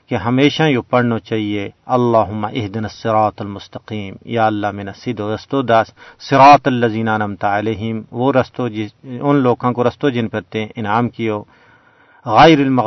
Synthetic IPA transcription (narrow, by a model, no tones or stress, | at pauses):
keɦɐmeːʃãjopɐɽnot͡ʃaːɦieɐlːaːɦʊmːaʔɪɦd̪ɪnɐsːɪɾaːt̪ɐlmʊst̪ɐqiːmjaːɐlːaːmɪnɐsɪd̪oɾɐst̪od̪ɐssɪɾaːt̪ɐlːɐziːnɐnɐmt̪aɐleːɦɪmʋoɾɐst̪od͡ʒɪʊnloːkãkoɾɐst̪od͡ʒɪnpɐɾt̪ẽʔɪnaːmkijoː | ɣɐɪɾɐlmɐ